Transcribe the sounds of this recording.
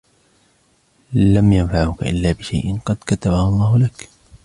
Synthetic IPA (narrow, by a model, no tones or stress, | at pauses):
lamjanfaʕʊka̰ʔɪ̰lːaːbɪʃajʔɪnqɑd̪kat̪abahʊlˤːɑːhʊlak